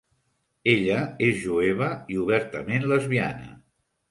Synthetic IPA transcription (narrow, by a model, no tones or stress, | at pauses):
eʎəezʒueβ̞əiuβ̞ɛɾt̪əmenləzβianə̰